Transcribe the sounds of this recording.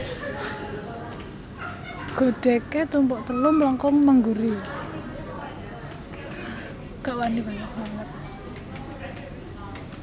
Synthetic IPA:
ɡ̥o̤ɖ̥ɛket̪umpɔʔt̪əlumlɔŋkɔŋməŋɡuɾi | kaʔwanib̥aɲak̚maŋət̪̚

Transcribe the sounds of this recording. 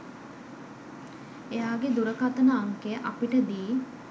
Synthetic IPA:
ejaːɡed̪uɾəkat̪ənəaŋkeʔapiʈəd̪iː

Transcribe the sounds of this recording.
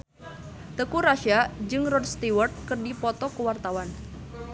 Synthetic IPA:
t̪əkuɾaʃiad͡ʒɨŋrɔdst̪iwərt̪̚kɨrdipɔt̪ɔkəwart̪awan

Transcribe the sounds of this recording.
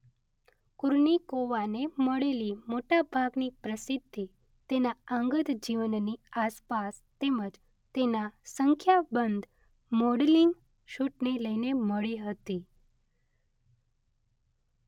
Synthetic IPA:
kuɾɳikoʋaneməɭelimoʈabʱaɡnipɾəsid̪ʱːi | t̪enaəŋɡəd̪d͡ʒiʋənniaspas | t̪eməd͡ʒ | t̪enasəŋkʰjabənd̪ | mɔɽliŋɡ | ʃuʈneləineməɭiɦət̪i

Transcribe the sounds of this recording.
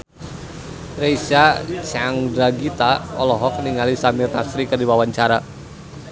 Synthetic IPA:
rejsat͡ʃaŋdɾaɡit̪aɔlɔɦɔkniŋalisamirnasɾikədiwawaɲt͡ʃaɾa

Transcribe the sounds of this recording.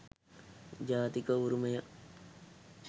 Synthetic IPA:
d͡ʒaːt̪ikəuɾumejɐ

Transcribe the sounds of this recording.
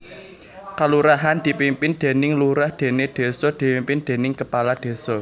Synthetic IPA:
kaluɾaɦand̪̥i̤pimpɪnd̪̥e̤nɪŋluɾahd̪̥e̤ned̪̥e̤sɔd̪̥i̤pimpɪnd̪̥e̤nɪŋkəpalad̪̥e̤sɔ

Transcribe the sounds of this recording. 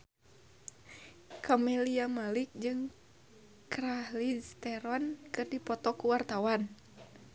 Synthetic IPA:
kɔmɛliamalik̚d͡ʒɨŋ | kɾahlist̪ɛɾɔnkɨrdipɔt̪ɔkuwart̪awan

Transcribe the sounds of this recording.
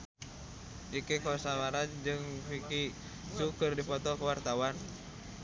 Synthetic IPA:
ʔikikɔsawaɾad͡ʒɨŋfiki | t͡ʃukɨrdipɔt̪ɔkəwart̪awan

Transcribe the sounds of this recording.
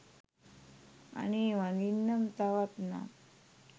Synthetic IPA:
a̰ñiʋãŋɡinːəmt̪aʋat̪na̰

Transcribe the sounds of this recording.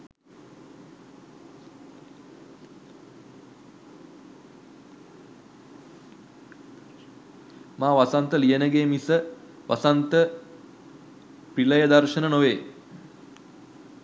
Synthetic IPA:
maːʋasant̪əlijənəɡeːmisə | ʋʔa̰sant̪ə | piləjəd̪arʃənənoʋeː

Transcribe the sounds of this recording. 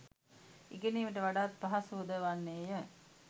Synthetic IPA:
iɡeniːʋiʈəʋaɖaːt̪̚paɦasud̪əʋanːeːjə

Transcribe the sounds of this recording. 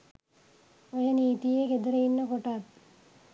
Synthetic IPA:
ojəniːt̪ijeked̪əɾəinːəkoʈat̪̚

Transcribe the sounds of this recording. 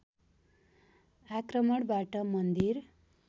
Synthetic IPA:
akrʌmʌɽbaʈʌmʌnd̪iɾ

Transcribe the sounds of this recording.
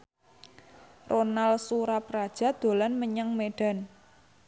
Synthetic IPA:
ronalsuɾapɾad̥ʒ̥a̤d̪̥o̤lanməɲaŋmeɖ̥a̤n

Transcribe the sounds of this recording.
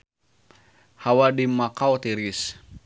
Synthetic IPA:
hawadimakawt̪iɾis

